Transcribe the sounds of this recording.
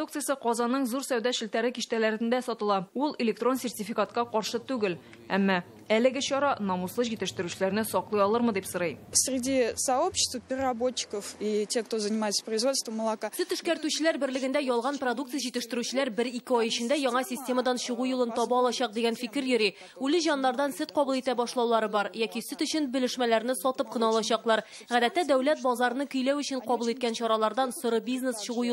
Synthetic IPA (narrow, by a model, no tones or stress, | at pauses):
uk̚t̪sɨjəsɤqɒzɑnːɤɴzuɾsæwd̪æɕɘ̆lt̪æɾɘkiɕt̪ælæɾɘ̆nd̪æsɒt̪ɤ̆lˠɑulˠɪlʲɪk̚t̪ro̞nsʲɪrtʲɪfʲikat̪qɑqɒɾʃɤt̪ʉɡɘl | æmːɑ | ælɘ̆ɡɘɕɒɾɑnɒmuslˠɤʑit̪ɘ̆ʃt̪ɘ̆ɾʉɕɘ̆læɾnɘsɒqlˠɑjɒlˠɤɾmɤd̪ipsɤ̆ɾɤjsʲɾʲɪdʲisɐo̞pɕɪ̥st̪vəpʲɪrʲɪrɐbot͡ɕːɪ̥kəfitʲexkt̪ozənʲɪmajɪt̪sə̥prəjzvo̞t̪st̪vəmːəlˠakasɵt̪ɵ̆ʃkæɾt̪ʉɕɘ̆læɾbɘ̆ɾlɘ̆ɡɘ̆nd̪æjɒlˠʁɑnprod̪ukt̪ɨjaʑit̪ɘ̆ʃt̪ɘ̆ɾʉɕɘ̆læɾbɘɾikɘɒjɵ̆ɕɘ̆nd̪æjɒɴɑsʲɪsʲtʲe̞məd̪ɑnɕɤ̆ʁujulˠɤnt̪ɒbɑɒlˠɑɕɑq̚d̪iɡʲænfikɘɾjɵ̆ɾi | ʉlɘʑɒnːˠɑɾd̪ɑnsɘt̪qɒbulˠit̪æbɒʃlˠɑwlˠɑɾɤbɒɾjækisɵt̪ɵ̆ɕɘnbɘ̆lɘ̆ʃmælæɾnɘsɒt̪ɤp̚qɤ̆nɑɒːlˠɑɕɑqlˠɑɾ | ʁæd̪æt̪ːæd̪æwlæt̪̚bɒzɑɾɤ̆nɤkɵ̆jlæwɵ̆ɕɘɴqɒbulˠit̪̚kænɕɒɾɑlˠɑɾd̪ɑnsŏɾɤbʲiznesɕɤ̆ʁuju